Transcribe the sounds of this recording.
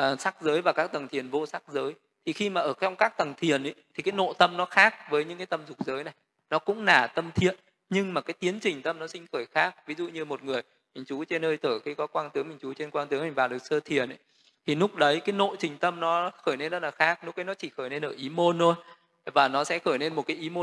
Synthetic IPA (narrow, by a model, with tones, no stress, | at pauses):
ʔəː˨˩sa˦˥k̚zəː˨˦jvaː˨˩kaː˦˥k̚t̪ə˨˩ŋt̪ʰi˨˩ənvo˧sa˦˥k̚zəː˨˦j | t̪ʰi˨˩xi˧maː˨˩ʔəː˧˩t͡ɕɔ˧wŋ͡mkaː˦˥k̚t̪ə˨˩ŋt̪ʰi˨˩ənʔḭ˨˦t̪ʰi˨˩kaː˨˦jno̰˧˨t̪ə˧mnɔ˨˦xaː˦˥k̚vəː˨˦jɲɨ̰˧˥ŋkaː˨˦jt̪ə˧mzʊ˨˩k͡p̚zəː˨˦jna˨˩j | nɔ˨˦kʊ̰˧˥ŋ͡mnaː˧˩t̪ə˧mt̪ʰḭ˧˨ən | ɲɨ˧ŋmaː˨˩kaː˨˦jt̪i˨˦ənt͡ɕï˨˩ŋ̟t̪ə˧mnɔ˨˦sï˧ŋ̟xəː˧˩jxaː˦˥k̚vi˨˦zṵ˧˨ɲɨ˧mo˨˩t̚ŋɨ˨˩əj | mï˨˩ŋ̟t͡ɕu˨˦t͡ɕe˧nːəː˧jt̪ʰəː˧˩xi˧˨˦kɔ˨˦kwaː˧nt̪ɨ˨˦ŋmï˨˩ŋ̟t͡ɕu˨˦t͡ɕe˧nkwaː˧nt̪ɨ˨˦ŋma˨˩ŋvaː˨˩ɗɨ˨˩k̚səː˧t̪ʰi˨˩ənʔə̰˨˦j | t̪ʰi˨˩nʊ˦˥k͡p̚ɗə˨˦jkaː˨˦jno̰˧˨t͡ɕï˨˩ŋ̟t̪ə˧mnɔ˨˦xəː˧˩jne˧nzə˦˥laː˨˩xaː˦˥k̚nlʊ˦˥k͡p̚ɗə˨˦nɔ˨˦t͡ɕi˧˩xəː˧˩jne˧nʔəː˧˩ʔi˨˦mo˧nʰo˧j | vaː˨˩nɔ˨˦sɛ̰˧˥xəː˧˩jne˧nmo˨˩kaː˨˦jʔi˨˦mo˧